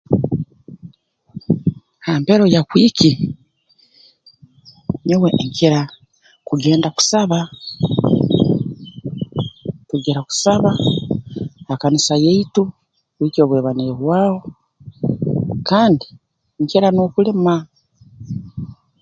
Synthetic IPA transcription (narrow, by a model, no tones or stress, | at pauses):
haːmpeɾo̞jakwiːki | ɲewe̞ŋkiɾa | kuɡe̞ːndaku̥saβa | tuɡiɾaku̥saβa | hakanisajeitu | kwiːcio̞ːβweːβaniɾeβwaːwo̞ | kaːndi | ŋciɾano̞ːkulema